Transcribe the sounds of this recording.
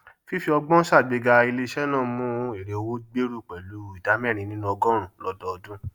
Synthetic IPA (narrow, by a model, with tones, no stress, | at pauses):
fi˦fi˧˦ɔ˧ɡ͡bɔ̃˦ʃa˦˨ɡ͡be˧ɡa˧i˧le˧ʃɛ˦nãː˦˨mũ˦e˦˨ɾe˨o˧wo˦ɡ͡be˦ɾu˦˨k͡pɛ˨lu˨˦i˨da˨˦mɛ˦˨ɾ̃ĩ˧nĩ˦nũ˦ɔ˧ɡɔ̃˦ɾ̃ũ˦˨lɔ˦dɔ˧ɔ˧dũ˦